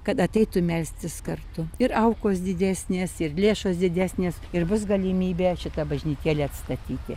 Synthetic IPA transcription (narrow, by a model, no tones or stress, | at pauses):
kɐt̪ɐt̪ʲɛɪt̪ʊmʲɛlʲsʲt̪ʲɪskɐrt̪ʊɪɾɐʊkoːsd̪ʲɪd̪ʲæːsʲnʲeːsɪrlʲeːʃoːsd̪ʲɪd̪ʲæːsʲnʲeːsɪrbʊs̬ɡɐlʲɪmʲiːbʲeːʃʲɪt̪ɐbɐʒʲnʲiːt̪ʲeːlʲeːɐt̪st̪ɐt̪ʲiːt̪ʲɪ